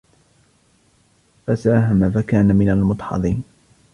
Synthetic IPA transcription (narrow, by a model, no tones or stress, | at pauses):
fasaːɦamafakaːnamɪnalmʊt̪ˤħɑ̰ðˤiːn